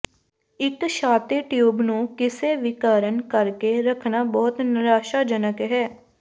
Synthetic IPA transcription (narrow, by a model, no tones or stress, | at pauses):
ɪkʃaːt̪iːʈjuːbnũːkɪseːʋɪkaːɾənkəɾkeːɾəkʰnaːbɔːt̪nɪɾaːʃaːd͡ʒənəkɦɛː